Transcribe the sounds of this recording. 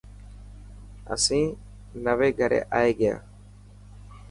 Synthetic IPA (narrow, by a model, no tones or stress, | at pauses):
ə̰sĩː | nəʋeːɡʱəɾḛːʔaːeːɡɪja̰ː